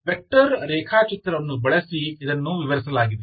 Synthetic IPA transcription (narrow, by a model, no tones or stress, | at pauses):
ʋek̚ʈɐɾɾeːkʰaːt͡ʃit̪ɾɐʋɐnːubɐɭɐsiid̪ɐnːuʋiʋɐɾisɐlaːɡid̪e